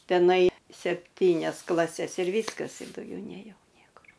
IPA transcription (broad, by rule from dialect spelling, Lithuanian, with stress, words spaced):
tʲɛˈnɐɪ sʲɛpʲˈtʲiːnʲɛs klˠɐˈsʲɛs ɪr ˈʋʲiːskɐs ɪr dɐʊˈɡʲɛʊ nʲeːˈjɛʊ ˈnʲiɛkʊr